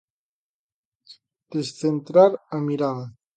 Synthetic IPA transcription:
d̪̥esθent̪ɾaɾamiɾaða

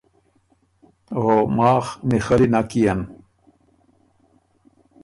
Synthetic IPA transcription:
ɦomaːxnixɐɾinakijɐn

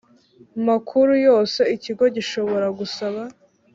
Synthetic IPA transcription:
makʰuɾujo̞ːse̞iciɡo̞ɟiʃo̞βo̞ɾaɡusaβa

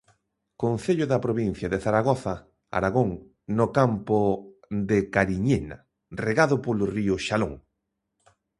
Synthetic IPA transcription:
konθeʎʊðapɾoβin̟θjaðeθaɾaɣ̞ɔθa | a̰ɾaɣoŋ | nokampo | d̪ekaɾiɲena̰ | reɣaðʊpolʊriʊʃaloŋ

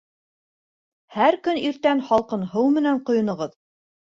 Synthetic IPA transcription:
hæɾkɵniɾt̪ænhɑlˠqɤ̆nhɤwmɘ̆næɴqŏjŏnɤ̆ʁɤð

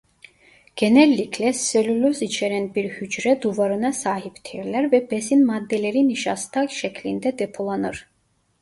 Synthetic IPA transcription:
ɡ̥ɛnɛlːikʰlɛsɛlyløzit͡ʃʰɛɾɛnbiɾhyd͡ʒɾɛd̪uvaɾɯnasaːɦipt̪ʰiɾlæɾvɛbɛsinmad̪ːɛleɾiniʃast̪ʰakʃɛkʰlind̪ɛd̪ɛpʰulˠanɯɾ

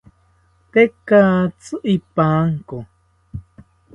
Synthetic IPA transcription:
t̪ekaːt͡sɨʔipaːŋko

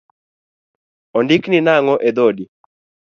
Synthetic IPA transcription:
ɔndɪkninaŋɔʔed̪odi

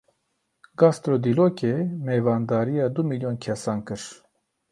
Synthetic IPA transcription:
ɡɑst̪ɾod̪ilokemeːvɑːnd̪ɑːɾijɑːd̪umiljonkʰɛsɑːnkɨɾ

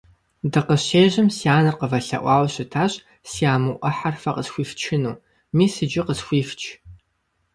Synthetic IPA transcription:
dɨqəɕeːʑɪmsiaːnɨqəvɐɬɐ̰ʔʷɑːwɕɪtʰaːɕ | siaːmɨʔʷɐħarfɐqəsxʷiːft͡ʃʰɪnuː | miːsɨd͡ʒɪqəsxʷiːft͡ʃʼʰ

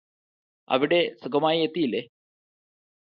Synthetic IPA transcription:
ɐ̰ʋiɽe̞suɡɐmaːjiet̪ːijilːe

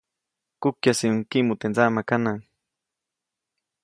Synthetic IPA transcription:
kukjasiuŋkimut̪end͡zamakanaŋ

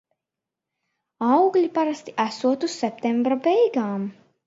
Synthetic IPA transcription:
awɡlʲipaɾast̪i̥ʔæsuɔt̪usːɛp̚t̪ɛmbɾabɛjɡaːm

